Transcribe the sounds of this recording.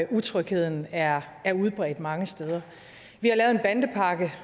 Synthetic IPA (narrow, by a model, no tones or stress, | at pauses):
ʔut͡sʰʁœɡ̥he̝ð̞̰ˠn̩æɐ | æɐuð̞ˠb̥ʁɛ̰ːd̥mɑ̈ŋəsd̥eːð̞ˠɐ | ʋihɑ̈lɛːʊ̞e̝nb̥ænd̥əpʰɑ̈ɡ̥ə